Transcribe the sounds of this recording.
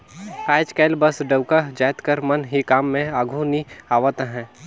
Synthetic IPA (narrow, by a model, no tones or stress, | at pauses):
aːjd͡ʒkɛːlbəsɖəwkad͡ʒaːjt̪kəɾmɐnɦikaːmːẽaːɡʱuniaːʋət̪ɦɛ̃ː